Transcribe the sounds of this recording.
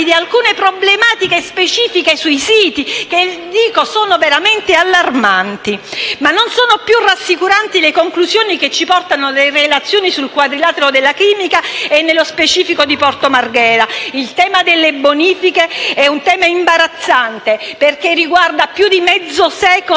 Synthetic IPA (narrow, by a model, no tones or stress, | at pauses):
id̪ialkuːnepɾoblemaːt̪ikespet͡ʃiːfikesuisiːt̪iked̪iːkosoːnoveɾament̪ealːarmant̪imanːonsoːnopjurːasːikuɾant̪ilekoŋkluzjoːniket͡ʃːipɔrt̪anolerelat̪sːjoːnisulkwad̪ɾilaːt̪eɾod̪elːakiːmikaenːelospet͡ʃiːfikod̪ipɔrt̪omarɡɛːɾailt̪ɛːmad̪elːeboniːfikeɛunt̪ɛːmaimbaɾat̪sːant̪eperk̟erːiɡward̪apjud̪imɛd̪zːosɛːko